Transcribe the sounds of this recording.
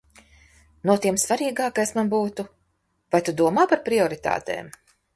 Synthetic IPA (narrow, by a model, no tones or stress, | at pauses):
nuɔt̪iɛmsvaɾiːɡaːkajsmanbuːt̪u | vajt̪ud̪uɔmaːpaɾpɾiɔɾit̪a̰ːt̪ḛːm